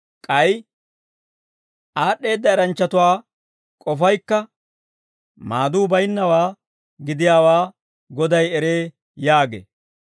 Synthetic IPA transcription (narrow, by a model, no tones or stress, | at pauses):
kʼɐj | ʔaːɗːe̞ːd̪ːɐɛɾɐnt͡ʃːɐt̪ʊwaː | kʼɔfɐjkːɐ | maːd̪uːbɐjɪnːɐwaː | ɡɪd̪ɪjaːwaː | ɡɔd̪ɐjɛɾeː | jaːɡḛː